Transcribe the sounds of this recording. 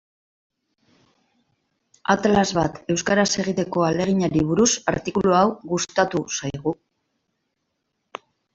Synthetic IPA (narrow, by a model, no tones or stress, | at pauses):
a̰t̪lazβat̪e̞wskaɾase̞ɣ̞it̪e̞ko̞ale̞ɣ̞iɲaɾiβuɾusa̰ɾt̪ikuluawɣust̪at̪usajɣ̞u